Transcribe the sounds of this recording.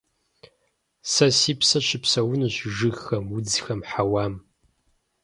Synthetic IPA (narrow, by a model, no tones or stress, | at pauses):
sɐsiːpsɐɕɪpsɐwʊnɨɕʒɨxɐmud͡zxɐmħawaːm